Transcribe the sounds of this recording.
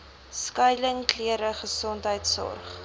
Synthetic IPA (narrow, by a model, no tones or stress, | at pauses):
skœjləŋkliəɾəχəsɔntɦəjtsɔ̰rχ